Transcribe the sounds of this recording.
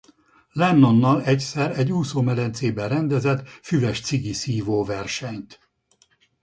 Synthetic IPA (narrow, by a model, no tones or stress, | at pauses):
lɛnːo̞nːɒlɛcsɛɾɛɟːuːsoːmɛlɛnt̪seːbɛrɛnd̪ɛzɛt̪fyvɛʃt̪siɡisiːvoːvɛrʃɛɲt̪